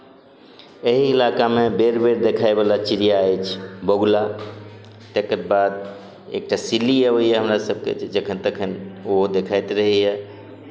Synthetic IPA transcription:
eɦiːlakamebeɾbeɾd̪ekʰaebalat͡ʃiɾijaɛt͡ʃʰboɡla | t̪ekəɾbad̪̚ | ḛk̚ʈasiliɦɛoiɛɦəmɾasəb̚kḛd͡ʒəkʰənt̪əkʰənoɦod̪ekʰajt̪ɾəɦiɦɛ

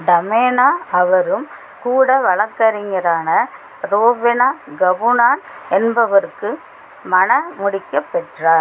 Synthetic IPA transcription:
d̪ɐmeːnaːɐʋɐɾɯm | kuːɽɐʋɐɭɐkːɐɾɪŋɡɐɾaːnɐ | ɾoːʋɪnaːɡɐʋɯnaːnɛnbɐʋɐɾɯkːɯ | mɐnɐmʊɽɪkːɐpːɛʈraːɾ

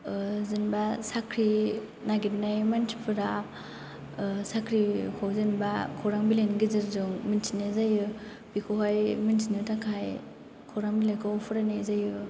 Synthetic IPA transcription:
zɯnbasakʰɾi | naɡitnajmantʰi̥pʰɯɾa | sakʰɾikʰowzɯnba̰kʰoɾaŋbilenɡizɯɾzɯŋminsinezajɯ | b̥ikʰoɦajminsinɯtakʰaj | kʰɔwɾaŋbilakʰɔpʰuɾanezajɯ

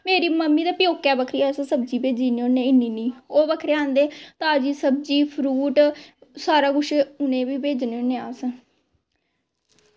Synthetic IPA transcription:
meːɾiːməmːiːd̪aːpɪjoːkɛːbəkʰɾiːaːsə̃səb̚d͡ʒiːbeːd͡ʒiːneːoːneːɪnːiːniːoːbəkʰɾeːãːnd̪eːt̪ãːd͡ʒiːsəb̚d͡ʒiːpʰɾuːʈsaːɾaːɡʊʃeːʊnẽːbiːbeːd͡ʒneoːnːẽːaːs

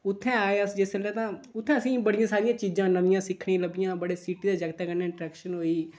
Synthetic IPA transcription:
ʊt̪ʰːɛ̃ːaːeəsd͡ʒeslɛːt̪ãːʊt̪ʰːɛ̃ːəsĩːbəɽɪjãːsaːɾɪjãːt͡ʃiːd͡ʒãːnəʋɪjãːsɪkʰːɽ̃ĩːləbɪjãːbəɽeːsiːʈiːd̪aːd͡ʒəɡt̪aːkənːeːɪɳʈɾɛːkʃənɦoːiː

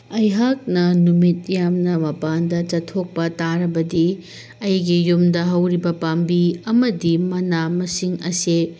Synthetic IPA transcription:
ɐjɦak̚nɐnumit̚jamnɐmɐpandɐt͡ʃɐtʰːok̚pɐtaɾɐbɐdi | ɐjɡijumdɐɦɐwɾibɐpambiɐmɐdimɐnamɐsiŋɐ̰se

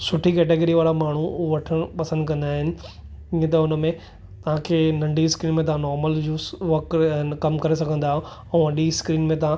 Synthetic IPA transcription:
sʊʈʰikɛːʈeːɡəɾiʋaːɾamaːɳ̤uʋɐʈʰəɽ̃pɐsə̃nd̪kɐ̃nd̪aːɦɪnɪ̆ | ĩːə̃t̪̬ɐʊnəmẽ | t̪ɐʋ̤ãkʰeːnɐ̃ɳɖiskɾiːnmẽt̪ɐʋãnɔːɾməld͡ʑoːsʋɐkkɐmkɐɾes̬ɐɡʱə̃nd̪aːɦɪõ | ɛ̃ːʋɐ̃ɳɗiskɾiːnmẽt̪ɐã

